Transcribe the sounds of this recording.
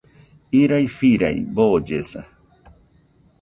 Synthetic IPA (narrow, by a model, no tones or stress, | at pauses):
iɾajfiɾa̰jboːd͡ʒesa̰